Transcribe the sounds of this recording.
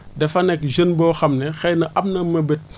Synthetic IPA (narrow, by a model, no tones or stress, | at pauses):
dɛfɐnɛkʒənbɔːxɐmnɛxɛjnɐʔɐb̚nɐmɐbet̚